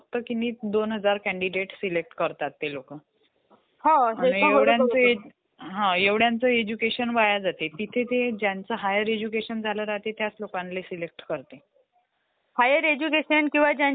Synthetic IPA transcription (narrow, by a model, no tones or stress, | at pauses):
k̚t̪əkiniːd̪onɦəd͡zaɾkɛ̃ɳɖiɖeʈsilek̚ʈkəɾt̪at̪ːelokə | ɦãɦaẽeʋɽjãt͡səe | ɦãeʋɽjant͡səed͡ʑukeɕənʋajad͡zat̪et̪it̪ʰet̪ed͡ʑjant͡səɦajəɾed͡ʑukeɕənd͡zʱaləɾaɦt̪et̪jat͡slokãnlesilek̚ʈkəɾt̪e | hajəɾed͡ʑukeɕənkĩw̃ʋad͡ʑja